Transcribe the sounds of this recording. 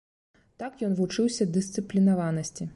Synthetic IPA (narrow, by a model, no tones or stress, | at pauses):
t̪akjɔnvut͡ʂɨwsʲɐd̪ɨsʲt̪sɨplʲinavanɐsʲt͡sʲi